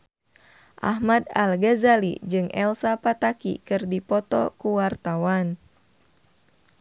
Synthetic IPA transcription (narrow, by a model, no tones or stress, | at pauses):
ʔa̰hmada̰lɡazalḭd͡ʒɨŋʔɛlsapat̪akḭkɨrdipɔt̪ɔ̰kuwart̪awan